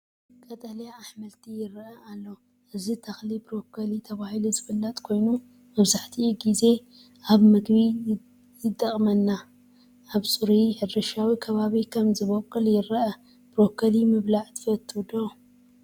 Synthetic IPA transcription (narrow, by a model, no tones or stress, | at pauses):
kʼɐt̪ʼɐljaːħmɐlt̪ʰijɪɾʔɐalːo̞ | ʔɨzit̪ʰɐxlibɾo̞kʰːɐlit̪ʰɐβahiluzɨfɨlːɐt̪ʼkʰo̞jnu | mɐβzaħt̪ʰiɡize̞ | ʔaβmɨɡbi | zɨd̪ʼɐχʼmɐnːa | ʔaβsʼɨɾiħɨd̪ɐʃawikʰɐβaβikʰɐmzɨβokʼːɨljɪɾʔɐ | b̥ɾo̞kʰːɐlimɨβlaʕt̪ʰɨ̥fɐt̪ʰːɨwd̪o